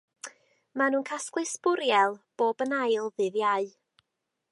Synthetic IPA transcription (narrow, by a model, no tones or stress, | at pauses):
manuːnkʰasklˠɨsb̥ʊɾjɛlˠb̥oːbənajlˠðɨðjaɨ